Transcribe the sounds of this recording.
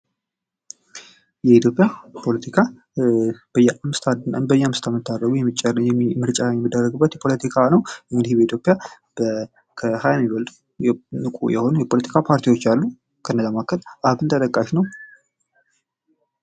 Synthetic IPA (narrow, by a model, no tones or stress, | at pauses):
jɛit̪ʰjo̞pʼːjapʰo̞lət̪ʰikʰa | b̥əjːɛʔamɨst̪ʰad̪nə̰nbəjːamɨst̪ʰamɨt̪ʰːaɾːəɡujɛmːit͡ʃʼːəɾɨjɛmɨɾt͡ʃʼajɛmːɨd̪ːərːəɡɨbːət̪jɛpʰo̞lət̪ʰikʰanəwɨŋɡɨd̪ihbəit̪ʰjopʼja | bə | kʰəhajamːiβəld̪ | nɨkʷʼṵjɛho̞nujɛpʰo̞lət̪ʰi̥kʰapʰaɾt̪ʰijwo̞t͡ʃːalːu | kʰənːəzamakʰːət̪ʔabɨnt̪ʰət̪ʼəkʼːaʃnəw